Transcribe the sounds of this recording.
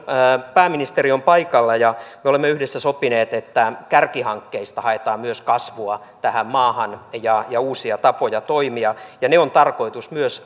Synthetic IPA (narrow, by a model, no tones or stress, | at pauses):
pæːminist̪eriompɑikɑlːɑjɑmeolemːeyhdesːæsopineːt̪et̪ːækærkihɑŋkːeist̪ɑhɑet̪ɑːmyøskɑsʋuɑ | t̪æhæmmɑːhɑnjɑjɑuːsiɑt̪ɑpojɑt̪oimiɑjɑneont̪ɑrko̞it̪usmyøs